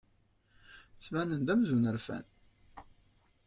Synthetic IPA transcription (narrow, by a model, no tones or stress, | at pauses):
t͡sːmænənd̪æmzunəɾfæ̰n